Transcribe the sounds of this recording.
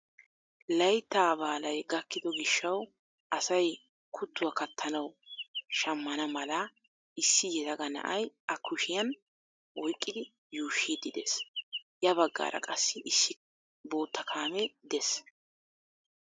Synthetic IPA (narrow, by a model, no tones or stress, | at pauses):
lɐjt̪ːaːbaːlɐjɡɐkːɪd̪ɔɡɪʃːɐw | ʔɐsɐj | kʰʊt̪ːʊwɐkɐt̪ʰːɐnɐwʃɐmːɐnɐmɐlɐ | ɪsːɪjɛd̪ɐɡɐnɐ̰ʔɐjɐkʰːʊʃɪjɐn | ʔɔjkʼːɪd̪ɪ | juːʃːid̪ɪd̪ḛsjɐβɐɡːa̰ːɾɐ̰kʼɐsːɪʔɪsːɪ | bo̞ːt̪ʰːɐkʰaːmɛd̪ɛs